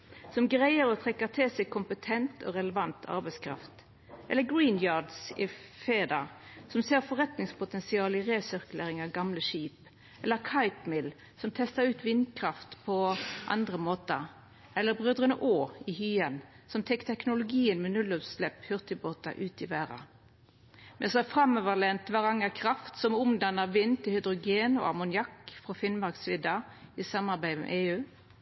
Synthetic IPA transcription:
sɔmɡʁæɪəɾɔt̪ʰʁɛkːəʁt̪ʰɪlsɛɡ̚kʰʊmpət̪ʰɛnt̪ʰɔ̰ːʁɛləʋɑnt̪ʰɑ̰ʁbæɪskʰɾɑ̰ft̪ | ʔɛlːəɡɹiːnjɑːd̪sɪfeːd̪ɑsɔmseːʁfɔʁɛt̪nɪŋspʰʊt̪ɛnsɪɑːlɪʁeːsʏʁkləɾɪŋɑʋɡɑmləʃiːp | ʔɛlːəkʰɑɪpmɪl | sɔmt̪ʰɛst̪ɑɾʉːt̪ʋɪnkʰʁɑft̪pʰɔʔɑ̰nd̪ʁəmoːt̪ə | ɛlːəɾbʁøːd̪ʁənəʔoːɪhyːən | sɔmt̪ʰɛkːt̪ʰɛknʊlʊɡiːənmɛnʉlɔpslɛphʏʁt̪ɪboːt̪ɑ̰ʔʉːt̪ɪʋæːʁɑ̰ | mɛnsɔæfʁɑmːøʋəlɛnt̪ʋɑʁɑŋəkʰɾɑft̪sɔmʊmd̪ɑnːəʋɪnːt̪ʰɪlhʏd̪ʁʊɡeːno̰ːɑmʊnjɑkːfʁɔfɪnmɑʁksʋɪd̪ɑisɑmːɑʁbæɪmɛ̰ʔeːʉː

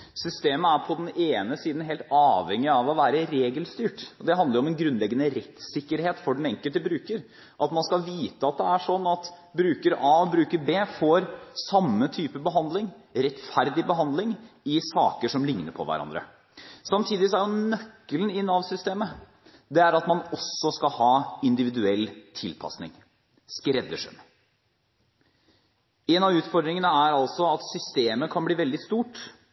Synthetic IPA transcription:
sʏst̪eːməæɾpʰɔd̪ɛneːnəsiːd̪n̩ɦeːlt̪ɑːʋhɛŋɪɑʋɔʋæːɾəɾeːɡəlst̪yːʈɔd̪ɛɦɑnd̪əɾʊɔmɛnɡɾʉnːlɛɡːənəɾɛt̪sɪkːəɾheːt̪fɔɖɛnɛŋkəlt̪əbɾʉːkəɾ | ʔɑt̪mɑnskɑʋiːt̪əɑt̪̚d̪ɛæʂɔnːɑt̪ | bɾʉːkəɾɑːɔbɾʉːkəɾbeːfɔɾsɑmːət̪ʰyːpəbəɦɑnd̪lɪŋɾɛt̪fæɾd̪ɪbəɦɑnd̪lɪŋɪsɑːkəʂɔmlɪŋnəpʰɔ̰ʋæ̰ɾɑ̰nd̪ɾə̰ | sɑmt̪ʰiːd̪ɪs̬ɔæɾjʊnœkːəlnɪnːɑʋsʏst̪eːmə | d̪ɛæɾɑt̪mɑnɔsːɔskɑhɑːɪnd̪ɪʋɪd̪ʉɛlːt̪ʰɪlpʰɑ̰snɪ̰ŋ | skɾɛd̪ːəʂɛ̰m | ɛnɑʋʉːt̪fɔɾd̪ɾɪŋənəæɾɑlsɔɑt̪sʏst̪eːməkʰɑnbliːʋɛld̪ɪst̪uːʈ

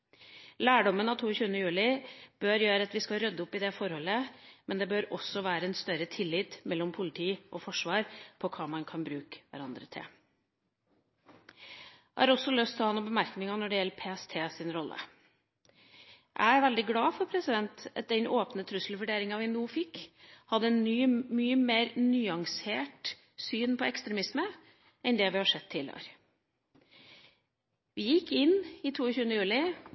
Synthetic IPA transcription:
læːɖɔmənɑt̪ʰuːəçʉːənəjʉːlɪb̥øːɾjøːɾəɑt̪ʋɪskɑlɾœd̪ːəʊpːɪd̪ɛfɔɾhɔlːəmɛnd̪ɛbøːɾɔsɔʋæːɾəɛnst̪œɾət̪ʰɪlːɪt̪mɛlːɔmpʰʊlɪt̪ʰiːʔɔfɔʂʋɑːɾpʰɔkʰɑːmɑnkʰɑnbɾʉːkə̥ʋæ̰ɾɑnd̪ɾət̪ʰɪ̰l | hɑ̰ːɾɔsɔlœst̪ʰɪlhɑnːɔmbəmæɾknɪŋɑnɔɖɛjɛlːəpʰeːɛst̪ʰeːsɪnɾɔlːʔə̰ | ʔæ̰ɪæɾʋɛld̪ɪɡlɑːfɔɾpʰɾɛsɪd̪ɛnt̪ɑt̪̚d̪ɛnʔoːpnət̪ʰɾʉsl̩ʋʉɖeːɾɪŋɑʋɪnuːfɪkːhɑd̪ːəyːmyːəmeːɾnyːɑŋseːʈ | syːnpʰɔɛkst̪ɾɛmɪsmə | ɛnd̪ɛːʋɪhɑʂɛt̪ʰːɪlə̰ɾ | ʋɪjɪkːɪnɪːt̪ʰuːəçʉːənəjʉːlɪ

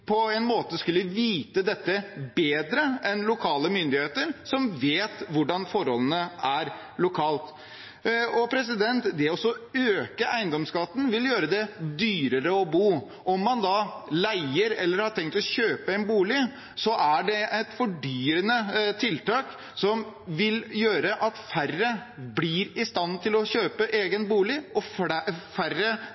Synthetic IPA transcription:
pʰɔɛɪnmoːt̪əskʉlːəʋiːt̪əd̪ɛt̪ːəbeːd̪ɾəʔɛnlʊkʰɑːləmʏnd̪ɪheːt̪əɾsɔmʋeːt̪ʋʊɖɑnfɔɾhɔlənəæɾ | lʊkʰɑːlt̪ | ɔpʰɾɛs̬ɪd̪ɛnt̪d̪ɛɔsɔøːkəʔæɪnd̪ɔmskɑt̪ːn̩ʋɪljøːɾəd̪ɛd̪yːɾəɾəɔbuː | ɔmːɑnd̪ɑlæɪəɾɛ̰lːəɾhɑʈʰɛŋk̚t̪ɔçøːpəæɪnbuːlɪ | sɔʔæɖɛɛt̪fɔɖyːɾənət̪ʰɪlt̪ɑːk | sɔm | ʋɪljøːɾəʔɑt̪færəblɪɾɪst̪ɑnt̪ʰɪlɔɕøːpəʔeːɡənbuːlɪɔffærə

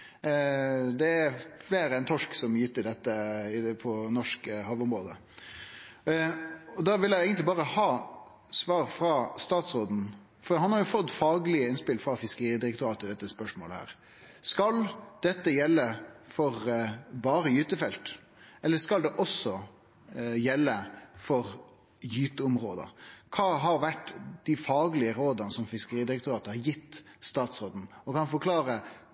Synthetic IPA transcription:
d̪ɛæɾfleːɾəɛnt̪ʰɔʂksɔmjʏt̪ːəɾd̪ɛt̪ːəɪpʰɔnɔʂkəhɑʋʊmɾoːd̪ə̰ | ɔd̪ɑʋɪljæɪeːɡənt̪lɪbɑːɾəhɑː | sʋɑːɾfɾɑst̪ɑːt̪sɾoːd̪n̩ | fɔɾd̪ihɑnhɑɾjʊfɔt̪ːfɑːɡlɪəɪnspɪlfɾɑfɪskəɾiːd̪ɪɾɛk̚t̪ʊɾɑːt̪əɪd̪ɛt̪ːəspœʂmo̰ːləhæ̰ːɾ | skɑld̪̥ɛt̪ːəjɛlːəfɔɾbɑːɾəjyːt̪əfɛlt̪ | ʔɛlːəskɑld̪ɛʔɔsɔ | jɛlːəfɔɾ | jyːt̪əʊmɾoːd̪ə̰kʰɑːɦɑɾʋæʈːd̪̥ɪfɑːɡlɪəɾoːd̪ɑnəsɔmfɪskəɾiːd̪ɪɾɛkt̪ʊɾɑːt̪əhɑɾjɪt̪ː | st̪ɑːt̪sɾoːd̪n̩ɔkʰɑnfɔkʰlɑːɾə

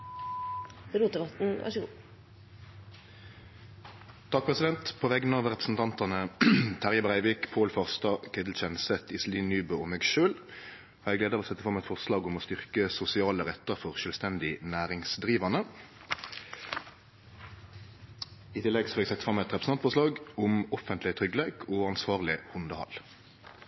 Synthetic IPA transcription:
ɛɾuːt̪d̪əbɑt̪n̩ʋæ̰ʂəɡṵː | t̪ʰɑk̚pʰʁɛsɪd̪ɛnt̪pʰoːʋɛɡənɑʋʁɛpʁəsn̩t̪ʰɑnt̪ɑnət̪ʰæʁjəbʁæɪʋɪkpʰoːlfɑʁst̪ɑkʰɛd̪l̩t͡ʃɛnsɛt̪ʰɪsliːnːyːbəɔmeɡʃøːl | ɔːɛɡleːd̪əʁɔːsɛt̪ːəfʁɑmɛt̪fɔʁslɑːɡʊmɔst̪ʏʁkəsʊsɪɑːləʁɛt̪ːəʁfɔʁʃœːlʋst̪ɛnd̪ɪnæːʁɪŋsd̪ʁiːʋɑnə | ɪt̪ʰɪlːɛɡsɔɑːɛɡsɛt̪fʁɑmɛt̪ʁɛpʁə̥n̩ɑnt̪fɔʁslɑːɡʊmɔfənt̪lɪt̪ʰʁʏɡleːkʰɔːɑnsʋɑːʁlɪhʊnd̪əhɑ̰l

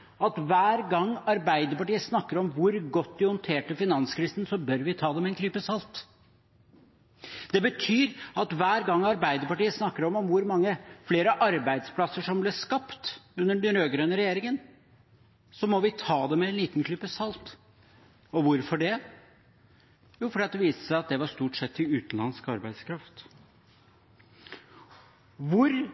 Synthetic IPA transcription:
ɑt̪ʋæːɾɡɑŋːɑɾbæɪd̪əɾpɑʈiːəsnɑkːəɾɔmʋʊɾɡɔt̪ːd̪ɪhɔnt̪ʰeːʈəfɪnɑnskɾiːsənsɔbœɾʋɪt̪ʰɑːd̪ɛmɛɛnkʰlypəsɑlt̪ | d̪̥ɛbət̪ʰyːɾɑt̪ʋæːɾɡɑŋːɑɾbæɪd̪əɾpɑʈiːəsnɑkːəɾɔmɔmʋʊɾmɑŋːəfleːɾəʔɑɾbæɪd̪spʰlɑsːəʂɔmblɛʂkɑpt̪ʉnːəɖɛnɾøːɡɾøːnəɾɛjeːɾɪŋən | sɔmɔʋɪt̪ʰɑːd̪ɛmɛɛnliːt̪n̩kʰlʏpːəsɑlt̪ | ɔʋʊɾfɔɖɛ | juːfɔɖɑt̪̚d̪ɛʋiːst̪ə̥sæɪɑt̪̚d̪ɛʋɑɾst̪uːʈsɛt̪ːɪʉːt̪n̩lɑ̰nskɑɾbæɪd̪skʰɾɑft̪ | ʋʊɾ

